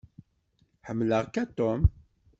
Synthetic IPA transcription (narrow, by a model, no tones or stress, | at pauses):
ħəmːləʁkæt̪om